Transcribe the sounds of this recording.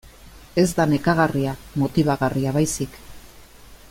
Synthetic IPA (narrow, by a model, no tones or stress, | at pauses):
e̞zd̪ane̞kaɣariamo̞t̪iβ̞aɣariaβajsik